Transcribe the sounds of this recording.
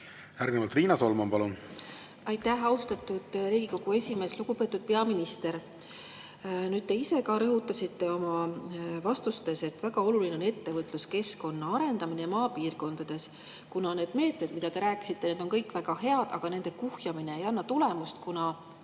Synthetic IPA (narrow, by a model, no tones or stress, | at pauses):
æɾɡnemɑlt̪riːnɑso̞lmɑmpɑlun | ɑjt̪ːˑæhɑwst̪ɑt̪ːˑud̪̥ɾiːɡiko̞ɡ̥ue̞sʲime̞ːsluɡ̥upe̞ːt̪ːˑud̪̥̚pe̞ɑminist̪e̞ɾ | nyːd̪̚t̪e̞ise̞kɑɾɤɦut̪ːˑɑsit̪ːe̞o̞mɑvɑst̪ust̪e̞set̪ːvæɡ̥ɑo̞lulineone̞t̪ːe̞vɤt̪ːˑluske̞sko̞nːɑɑɾe̞nd̪̥ɑminejɑmɑːpiːrko̞nd̪̥ɑd̪̥e̞s | kunɑne̞ːd̪̥me̞ːt̪me̞d̪mid̪̥ɑd̪e̞ɾæːkːˑi̥sit̪ːe̞ne̞ːd̪̥o̞nkɤjkˑvæɡ̥ɑhe̞ɑd̪̥ɑ̰ɡ̥ɑne̞nd̪̥e̞kuhjɑmine̞ːjɑnːɑt̪ulemust̪̚kunɑ